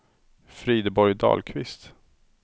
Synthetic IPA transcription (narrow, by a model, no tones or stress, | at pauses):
fɾiːd̪əbɔɾjd̪ɑ̰ːlkʰvɪst̪